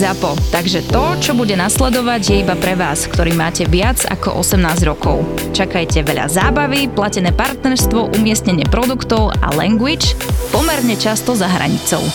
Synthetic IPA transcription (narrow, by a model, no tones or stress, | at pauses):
zapɔt̪aɡʒɛt̪ɔt͡ʃɔbuɟɛnaslɛd̪ɔʋaɟjɛibapɾɛʋaːskt̪ɔɾiːmaːcɛʋɪad͡za̰kɔ̰ʔɔ̰sɛmnaːzɟɾɔkɔ̰ʊ | t͡ʃakajcɛʋɛʎa̰zaːbaʋiplacɛnɛːpaɾt̪nɛɾst̪ʋɔʔumɪɛsɲɛɲɪɛpɾɔd̪ukt̪ɔʊa̰lɛ̰ŋɡʋit͡ʃpɔmɛɾɲɛt͡ʃast̪ɔzaɦɾa̰ɲit͡sɔ̰ʊ